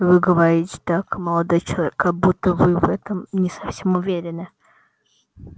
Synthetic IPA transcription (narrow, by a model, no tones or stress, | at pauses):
vɨɡəvɐɾʲitʲɪ̥t̪akməlˠɐd̪ojt͡ʃɪlˠɐvʲekʰːɐɡ̚but̪ːəvɨvɛt̪əmnʲɪsɐfsʲemʊvʲeɾʲɪnɨ